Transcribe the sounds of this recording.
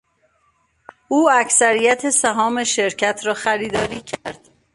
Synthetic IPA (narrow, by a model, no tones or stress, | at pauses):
uːæcsæɾijæt̪ʰesæɦɒːme̞ʃe̞ɾcʰæt̪ʰɾɒːxæɾiːd̪ɒːɾiːcʰæɾd̪̥